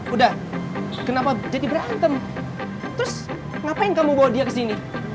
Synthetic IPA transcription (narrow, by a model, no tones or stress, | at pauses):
udah | kənapad͡ʒadibəɾant̪əm | t̪ɾʊs | ŋapaɪŋkamuɡawadiakəsini